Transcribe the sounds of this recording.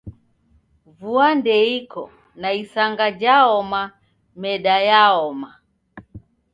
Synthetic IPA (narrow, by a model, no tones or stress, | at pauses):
vuandɛikɔ | naisaŋɡad͡ʒaɔma | mɛɗajaɔma